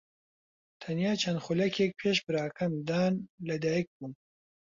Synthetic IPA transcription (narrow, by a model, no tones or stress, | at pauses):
t̪ʰɐnjaːt͡ʃʰɐnd̪xulɛkʰɛk̚pʰeːʃbɨɾaːkʰɐmd̪aːnlɐd̪aːjɛk̚bun